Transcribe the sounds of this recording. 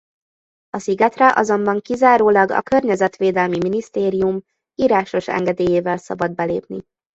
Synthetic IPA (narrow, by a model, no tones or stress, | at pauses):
ɒsiɡɛt̪rɛʔɒ̰zo̞mbɒŋkizaːɾoːlɒɡɒ̰kørɲɛzɛt̪ʋeːd̪ɛlmiminist̪eːɾijum | iːɾaːʃo̞ʃɛ̰ŋɡɛd̪eːjeːvɛlsɒ̰bɒd̪̚bɛleːpni